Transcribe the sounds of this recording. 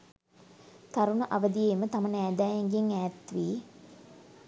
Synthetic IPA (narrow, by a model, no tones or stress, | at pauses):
t̪aɾunəʔɐʋəd̪ijemət̪amənæːd̪æːjeŋɡeŋæːt̪ʋiː